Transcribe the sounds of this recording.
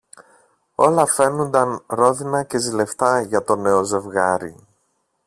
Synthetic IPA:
o̞lɐfe̞nund̪ɐnɾo̞ðinɐce̞zile̞ft̪ɐʝɐt̪o̞ne̞oze̞vɣɐɾḭ

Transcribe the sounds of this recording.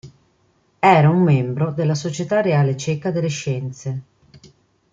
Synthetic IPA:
ɛːɾaumːɛmbɾod̪elːasot͡ʃet̪areaːlet͡ʃɛkad̪elːeʃːɛnt̪se

